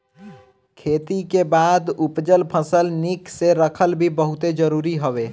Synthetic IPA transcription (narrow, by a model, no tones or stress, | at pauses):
kʰeːt̪ikebaːd̪ʊpd͡ʒəlpʰəsəlnikseɾəkʰəlbʱibəɦʊt̪ed͡ʒəɾuːɾiɦoʋeː